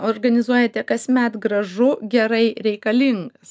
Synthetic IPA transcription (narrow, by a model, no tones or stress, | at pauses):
orɡɐnʲɪzuɔjɛt̪ʲɛkɐsʲmʲæt̪ɡɾɐʒʊɡʲɛɾɐɪɾʲɛɪkɐlʲiŋɡɐs